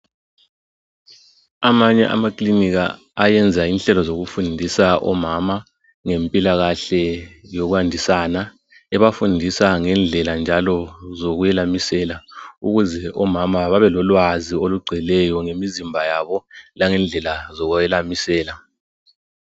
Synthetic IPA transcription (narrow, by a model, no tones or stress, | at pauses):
amaɲɛ̰ʔa̰makʼliniɣa̰ː | jɛnd͡zʱainɬɛlɔzoɣufundʱisaʔɔ̰mama | ŋempʼilaɣaɬɛjoɣuandʱisana | ɛβafundʱisaŋɛnd͡ɮʱɛland͡ʒʱalɔzoɣujɛlamisɛlauɣuzɛʔɔmamaβaβɛlɔlwazioluɡ͡ǀʱilɛjɔŋemizimbʱajaβɔlaŋɛnd͡ɮʱɛlazɔɣujɛlamisɛːla